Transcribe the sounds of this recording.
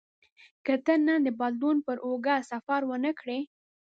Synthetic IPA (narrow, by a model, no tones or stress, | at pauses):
kət̪ənːand̪əbɑld̪unpəɾʔoɡasafaɾwənəkɽe